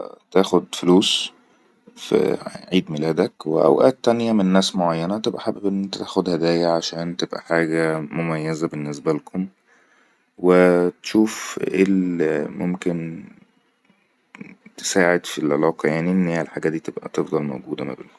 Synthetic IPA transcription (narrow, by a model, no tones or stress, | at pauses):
t̪æːxod̪foluːs | fḭʕiːd̪melæːd̪ækwḛʔæ̰wʔæːt̪ːænjæmenːæːsmoʕajːænæt̪ebʔæħabebʔenːt̪t̪æːxod̪hæd̪æːjæʕaʃæːnt̪ebʔæ̰ħaːɡæmomæjːæzæbenːesbælkʰom | wet̪e̥ʃuːfʔelmomken | t̪e̥saːʕed̪filʕḛlɑːqɑjaʕniʔenːheælħaɡæːd̪iːt̪ebʔæ̰t̪efd̪ˤɑlmo̰wɡuːd̪æ̰mæ̰bḛlko